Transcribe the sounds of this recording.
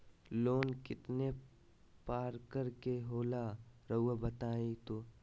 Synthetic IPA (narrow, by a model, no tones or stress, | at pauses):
loːnkɪt̪ne | paːɾkəɾkeɦoːlaɾɐuabɐt̪aːẽt̪oː